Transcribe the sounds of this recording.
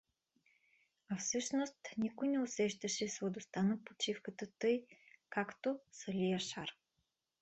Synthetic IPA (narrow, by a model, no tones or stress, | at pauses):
afsɤʃnost̪nikojnɛʊsɛʃt̪ɐʃɛsvɐd̪ost̪anəpot͡ʃifkət̪ət̪ɤjkakt̪osɐlʲijaʃaɾ